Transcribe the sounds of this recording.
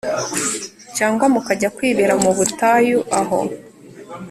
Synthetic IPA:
caːŋɡwamukaɟakwiːβiɾamuβutaːjuʔaɦo̰

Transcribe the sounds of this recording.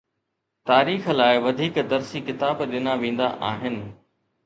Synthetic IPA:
t̪aːɾiːxlaːɪʋɐd̪ʱiːkd̪ɐɾsikɪt̪aːbɗɪnaʋẽːn̆d̪a̰ʔaːɦɪnɪ̆

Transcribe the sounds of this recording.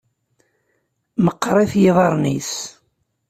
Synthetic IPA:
məqːɾˤeθjɪðˤɑɾˤnis

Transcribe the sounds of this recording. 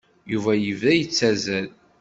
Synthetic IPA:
juvæjəvæjət͡sːæzæl

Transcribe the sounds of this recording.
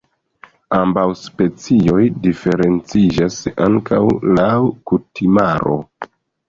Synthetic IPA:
ambawspe̞t͡sio̞jdife̞ɾe̞nt͡sid͡ʒasaŋkawlawkutimaɾo̞̰

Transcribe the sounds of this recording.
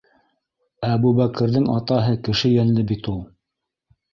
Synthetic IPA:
æbuβækɘ̆ɾðɘŋɑ̰t̪ɑɦɤkɘ̆ʃɘjænlɘbit̪ulˠ

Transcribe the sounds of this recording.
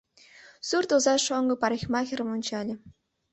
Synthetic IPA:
surt̪uzɑʂoŋɡɤ̆pɑɾʲexʲmɑxʲɘ̆rɤ̆mŏnʲt͡ɕɑlʲɘ̆

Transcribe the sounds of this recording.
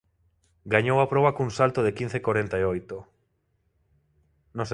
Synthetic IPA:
ɡaɲowapɾɔβakuŋsalt̪oðekin̟θekwoɾent̪aeojt̪o | nõs

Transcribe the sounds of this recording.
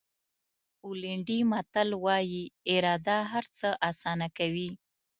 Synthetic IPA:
ulɪɳɖimat̪əlwɑjiɪɾɑd̪aɦaɾt͡səʔɑsɑnakawi

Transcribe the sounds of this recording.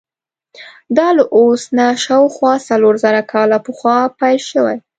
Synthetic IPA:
d̪ɑlaʔosnaʃɑwxwɑsaloɾzaɾakʰɑlapəxwɑpajlʃəwa̰j

